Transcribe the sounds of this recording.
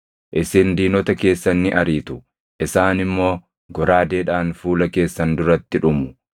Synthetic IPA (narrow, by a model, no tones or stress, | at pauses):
ʔɪsɪnd̪iːnɔt̪ɐke̞ːsːɐnːɪʔɐɾiːt̪ʊ̥ | ʔɪsaːnɪmːo̞ː | ɡɔɾaːd̪eːᶑaːnfuːlɐke̞ːsːɐnd̪ʊɾɐt̪ːɪᶑʊmʊ̥